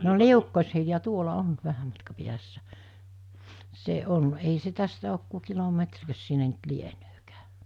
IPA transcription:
no liukːoshiljɑ tuolɑ on ʋæhæm mɑtkɑ piæsːæ se on ei se tæstæ ok ku kilometrkøs sinːe nt lienøːkæː

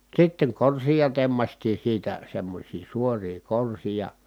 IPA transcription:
sitːeŋ korsijɑ temːɑstiː siːtæ semːosʲiː suoriː korsijɑ

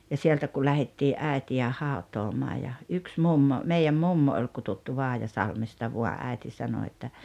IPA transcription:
jɑ sieltæ ku læhetːiːʔ ʔæˑetiæ hɑutˑoːmɑː jɑ yks mumːo meiæm mumːo oi kututːu ʋɑːjɑsɑlmestɑ ʋuɑ ʔæi̞ti sɑno etːæ

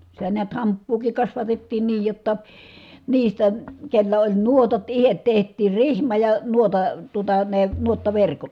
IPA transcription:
sitæ niæt hɑmpːuːkik kɑsʋɑtetːiːn niːj jotːɑ niːstæ kelːæ olʲ nuotɑt ihet tehtˑiːr rihmɑ jɑ nuotɑ tuotɑ ne nuotːɑʋerkot

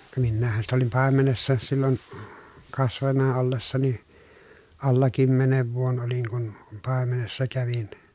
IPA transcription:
kɑ minːæːhːæn sitæ olim pɑˑemenesːɑ silːon kɑsʋɑnːɑ olːesːɑni ɑlːɑ kymːeneʋ ʋuon oliŋ kun pɑˑemenesːɑ kæʋin

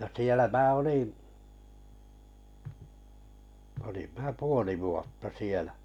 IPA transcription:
jɑ sielæ mæː olim mæː puoli ʋuotːɑ sielæ̥

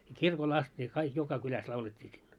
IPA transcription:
jɑ kirkol ɑst ne kɑik jokɑ kylæs lɑuletʲːiː silːo

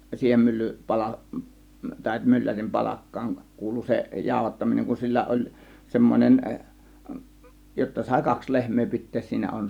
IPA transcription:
siːhen mylːy pɑlɑ tɑˑe̝ mylːærim pɑlɑkːɑːŋ kuːlu se jɑˑo̝hɑtːɑminen kun silːæ olʲ semːonen jotːɑ sɑˑe̝ kɑks lehmˑeː pitˑeːs siːnæ on

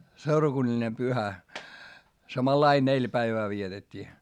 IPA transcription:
seurɑkunːɑlʲine pyhæ sɑmɑlɑi nelʲ pæiʋæː ʋietetʲːiː

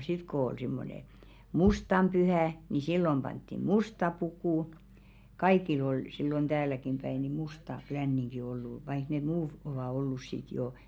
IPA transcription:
sit kŏ ol simːone mustɑm pyhæˑ ni silːom pɑntːim̆ mustɑ pukuˑ kɑikil ol silːon d̥æːlækim pæi ni mustɑ klænːiŋɡ̊i olːu ʋɑik ne muː oʋɑˑ olːus sit joˑ

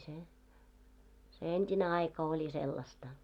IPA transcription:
se se entʲine ɑikɑ olʲi selːɑstɑ

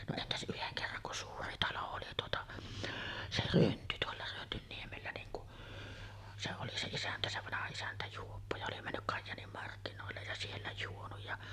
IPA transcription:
no entæs ʔyheŋ kerːɑŋ kun suːri tɑlo oli tuotɑ se rønty tuolːɑ rønːynːiemelːæ niːŋ kuʔ se oli se isæntæ se ʋɑnɑhɑ isæntæ juopːo jɑ oli mænːyk kɑjːɑːnim mɑrkːinoˑelːej jɑ sielːæ juonuj jɑ

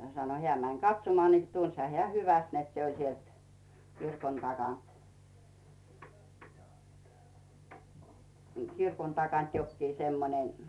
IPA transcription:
sɑno heæˑ mæn kɑtsomŏɑˑ ni tunshɑ hĕæˑ hyʋæst net se olʲ sielt kirkon tɑkɑˑnt kirkon tɑkɑnt jokːiː semːonen

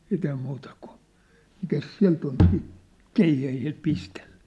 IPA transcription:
siːt ei muːtɑ kun̞ mikæs siæ̝lt ol siːt keihæhil pistell̥æ̥

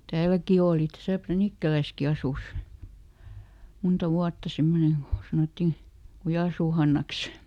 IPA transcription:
tæːlæki oːli tæsæ prænikːælæski ɑsus muntɑ ʋuɑtːɑ semːoneŋ ɡ̊o sɑnotːiˑ kujɑˑsuː hɑnːɑks

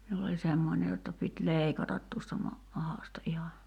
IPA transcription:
miul olʲ semːonʲe jotːɑ pit leˑikɑtɑt tuostɑ mɑ mɑhɑˑstɑ ʔihɑ

